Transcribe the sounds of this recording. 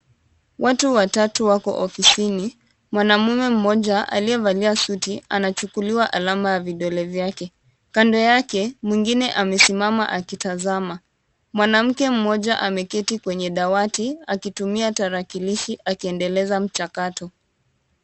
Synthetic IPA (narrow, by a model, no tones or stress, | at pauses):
wʔatuwatatuwakɔ̰ʔɔfisini | mwanamumɛm̩mɔʄaʔa̰liɛvaliasutianat͡ʃukuliwaʔalamajaviɗɔlɛvjakɛ | kandɔjakɛmwiŋɡinɛʔamɛsimama̰ʔakitazama | mwanam̩kɛm̩mɔʄaʔamɛkɛtikwɛɲɛɗawatiakitumiataɾakiliʃiʔakiɛndɛlɛzam̩t͡ʃakatɔ